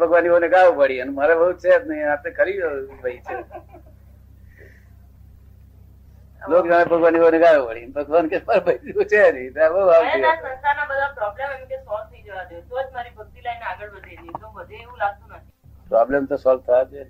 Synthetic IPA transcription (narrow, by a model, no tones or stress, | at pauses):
pəɡʋanibəɦuneɡaʋupəɽiənməɾebəɦut͡ʃʰet̪nəiapekəɾid͡ʒʋəit͡ʃʰe | lokd͡ʒãebʱəɡʋanibəuneɡaʋupəɽiənbʱəɡʋankemaɾbəid͡ʒut͡ʃʰenit̪abəɦuaʋiasə̃nkanabəd̪ʱapɾɔblememĩt̪esɔlt̪ʰəid͡ʒəʋad̪əet̪od͡ʒmaɾibək̚t̪ilaineaɡəɭbəd̪ʱalit̪obəd̪ʱeeʋũlaɡ̚t̪unət̪ʰi | pɾɔblemt̪osɔlt̪ʰad͡ʒe